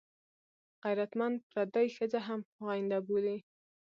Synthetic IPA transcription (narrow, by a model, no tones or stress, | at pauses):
ɣajɾat̪mand̪̚pɾad̪ajxəd͡zaɦamɑjɪnd̪aboli